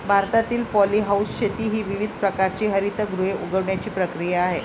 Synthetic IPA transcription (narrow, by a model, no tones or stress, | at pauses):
bʱaɾt̪at̪iːlpɔliɦausɕet̪iːɦiːʋiʋid̪ʱpɾəkaɾt͡ɕiɦəɾit̪əɡɾueʔuɡəʋɳjat͡ɕiːpɾəkɾijaːɦe